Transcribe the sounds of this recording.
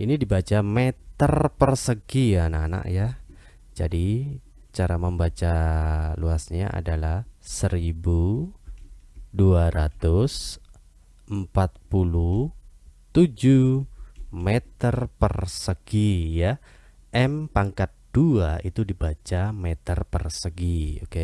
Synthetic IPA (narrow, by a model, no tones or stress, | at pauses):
ʔinidibat͡ʃamɛt̪ərpərsəɡianana̰ʔja | d͡ʒadi | t͡ʃaɾaməmbat͡ʃaluasɲaʔa̰dalahsəɾibu | duaɾat̪ʊs | ʔəmpat̪̚pulu | t̪ud͡ʒu | met̪ərpərsəɡ̥ija | ʔɛmpaŋkat̪̚d̥uait̪udibat͡ʃamet̪ərpərsəɡioke